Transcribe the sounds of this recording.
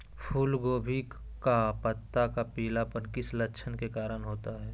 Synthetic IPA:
pʰuːlɡoːbʱi | kapət̪ːakapiːlapənkɪslɐtːʃʰənkekaːɾənɦoːt̪aɦɛː

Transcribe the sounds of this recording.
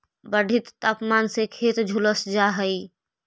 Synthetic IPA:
bəɖʱɪt̪ːaːpmaːnsekʰeːt̪d͡ʒʱuləsd͡ʒaɦəi

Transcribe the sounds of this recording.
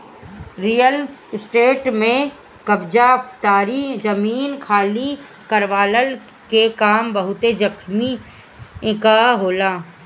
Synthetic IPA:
ɾiːəlsʈeːʈmẽ | kɐbd͡ʒapt̪aːɾid͡ʒɐmiːnkʰaːli | kɐɾʋaːləl | kekaːmbɐɦʊt̪ed͡ʒɐkʰmi | ɪkaɦoːlaː

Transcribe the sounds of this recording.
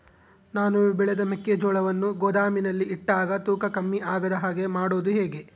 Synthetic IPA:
naːnubɛɭɛd̪ɐmekːed͡ʒɔːɭɐʋɐnːuɡoːd̪aːminɐlːiiʈːaːɡɐt̪uːkɐkɐmːiʔaːɡɐd̪ɐɦaːɡe̞maːɽoːd̪uɦe̞ːɡe̞

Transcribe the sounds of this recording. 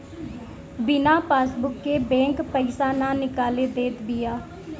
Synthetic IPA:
bɪnãːpaːsbʊkːeːbɛ̃ːŋkpəiːsaːnãːnɪkaːleːd̪eːt̪bɪːaː

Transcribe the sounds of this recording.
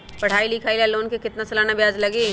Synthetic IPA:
pɐɽ̤aːilikʰaːilaloːnkekɪt̪nasɐlaːnabjaːd͡ʒlɐɡe

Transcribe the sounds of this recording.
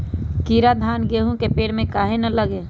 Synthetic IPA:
kiɾad̪ʱaːnɡeɦũkepeːɽmẽkaːɦenələɡe

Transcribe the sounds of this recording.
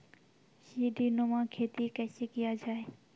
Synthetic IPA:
ʃiːɖiːnomãːkʰeːt̪ikəːseːkɪjaːd͡ʒaːeː

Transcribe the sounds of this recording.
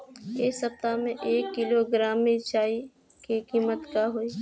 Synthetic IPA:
eːsəp̚t̪amẽʔeːkːɪloɡɾaːmːet͡ʃaːi | kekiːmət̪kaɦoːiː

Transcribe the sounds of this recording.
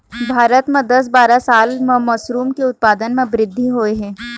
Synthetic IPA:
bʱaːɾət̪mẽd̪ɐs̬baːɾasaːlmẽmɐsɾuːmkeʊt̪̚paːd̪ənmẽbɾɪd̪ʱːiɦoːeɦɛ̃ː

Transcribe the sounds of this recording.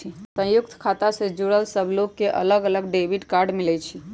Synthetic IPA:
isə̃jʊkt̪ʰkʰat̪ased͡ʒuɽəlsəbʱlokːeʔə̰ləɡələɡɖebiʈkaɾɖmɪlɛt͡ʃʰi

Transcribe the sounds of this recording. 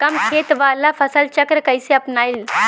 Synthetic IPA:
kəmket̪ʋalafʰəsəlt͡ɕəkɾəkəjseəpnajl

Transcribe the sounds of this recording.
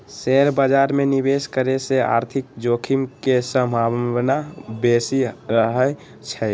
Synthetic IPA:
seɾbad͡ʒaːɾmenibeskəɾesea̰ːɾt̪ʰɪk̚d͡ʒokʰimkesə̃mbʱawnabesiɾəɦə | t͡ʃʰɛ

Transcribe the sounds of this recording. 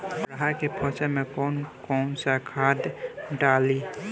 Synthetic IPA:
ɾɦakepʰɔ̃ːt͡ʃəmẽkɔnkɔːnsakʰad̪ɖali

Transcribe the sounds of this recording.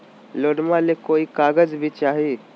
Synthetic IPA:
loɽmalekoiːkaɡəd͡zbʱiːt͡ʃaɦe

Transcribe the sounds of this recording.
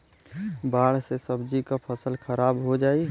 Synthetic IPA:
baːɽ̤sesəbd͡ʒikapʰəsəlkʰəɾaːbɦod͡ʒaːi

